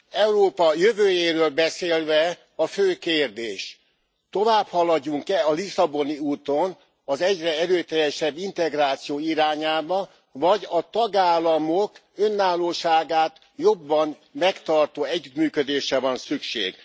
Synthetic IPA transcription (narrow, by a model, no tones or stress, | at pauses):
ɛuɾoːpɒjøvøːjeːɾøːlbɛseːlvɛ | ɒføːkeːrd̪ḛːʃ | t̪o̞vaːphɒlɒɟːuŋkɛɒlisɒbo̞niuːt̪o̞n | ɒzɛɟrɛɛɾøːt̪ɛjɛʃɛbːint̪ɛɡraːt̪sijoːiɾaːɲaːbɒ | vɒɟɒt̪ɒɡaːlːɒmok | ønːaːloːʃaːɡaːt̪ | jo̞bːɒn | mɛkt̪ɒrt̪oːɛɟːyt̪myːkød̪eːʃɛvɒnsykʃḛːɡ